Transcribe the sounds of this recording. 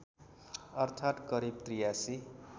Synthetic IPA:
ʌrt̪ʰat̪kʌɾib̚t̪rijasi

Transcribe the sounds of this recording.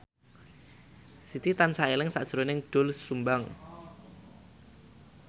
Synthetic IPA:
sit̪it̪ansaelɪŋsa̰ʔd̥ʒ̥əɾonɪŋɖ̥o̤lsːumbaŋ

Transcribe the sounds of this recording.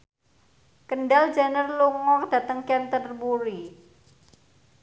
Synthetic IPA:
kənɖal̥d͡ʒanərluŋɔkd̥ä̤t̪əŋkɛnt̪ərbuɾi

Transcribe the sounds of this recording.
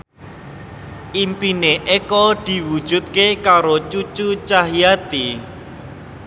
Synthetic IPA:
ʔimpineʔekɔd̪̥i̤wud̥ʒ̥ṳt̪̚kekaɾot͡ʃut͡ʃut͡ʃaɦijat̪i

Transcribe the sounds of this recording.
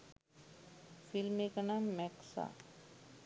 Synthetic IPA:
filmekanaːmːɛksa̰

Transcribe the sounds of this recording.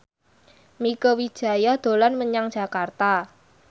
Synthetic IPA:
mikowi̥ʒ̥a̤jad̪̥o̤lanməɲaŋd̥d͡ʒʒ̥a̤kart̪a

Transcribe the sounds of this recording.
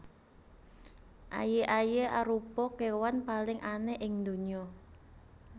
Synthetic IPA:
ʔa̰jeʔajeʔaɾupɔkewanpalɪŋʔanɛʔɪŋd̪o̤ɲɔ

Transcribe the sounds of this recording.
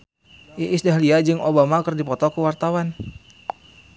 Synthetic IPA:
ʔiʔisdaɦliad͡ʒɨŋobamakərdipɔt̪ɔkəwart̪awan

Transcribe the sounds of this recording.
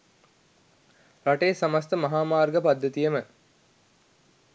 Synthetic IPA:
raʈejːsamast̪əmɐɦaːmaːrɡəpad̪ːɐt̪ijəmə

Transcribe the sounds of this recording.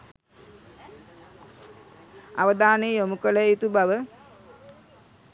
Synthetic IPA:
a̰ʋəd̪aːneomukələit̪ubaʋə

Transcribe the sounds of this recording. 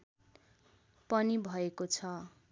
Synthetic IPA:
pʌnibʱʌekot͡sʰʌ

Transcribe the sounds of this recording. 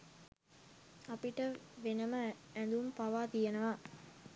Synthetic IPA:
ɐpiʈəʋenɐməænd̪umpɐʋaːt̪ijɐnɐʋaː

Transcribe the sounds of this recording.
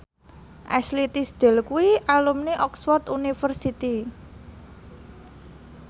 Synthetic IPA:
ʔa̰slit̪isd̪̥ɛ̤lkuiʔalumniʔɔksfɔrt̪unifərsit̪i

